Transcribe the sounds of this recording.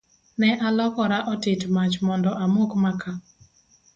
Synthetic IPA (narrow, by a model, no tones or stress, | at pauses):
nɛʔalɔkɔɾaʔɔtɪtmat͡ʃmɔndɔʔamokmaka